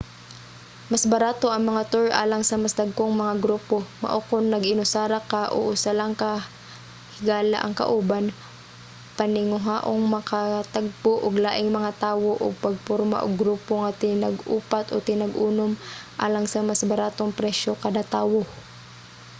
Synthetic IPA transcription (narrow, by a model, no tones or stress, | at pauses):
masbɐɾaːt̪o̞ʔɐŋmɐŋat̪uɹʔa̰ːlɐŋsɐmasd̪ɐɡ̚koŋmɐŋaɡɾuːpo̞mɐ̰ʔokonːɐɡɪnʊsaːɾakaʔo̰ʔʊsalaŋkɐ | hɪɡaːla̰ʔɐ̰ŋkɐ̰ʔuːban | pɐnɪŋʊɦaːʔoŋmɐkʰat̪aɡ̚poʔoɡlaːʔɪŋmɐŋat̪aːwo̞ʔo̰ɡ̚pɐɡ̚poɾma̰ʔo̰ɡɾuːpoŋɐt̪ɪnɐɡʔṵːpat̪ot̪ɪnɐɡʔuːnomʔa̰ːlɐŋsɐmasbɐɾaːt̪oŋpɾɛʃo̞kad̪at̪aːwo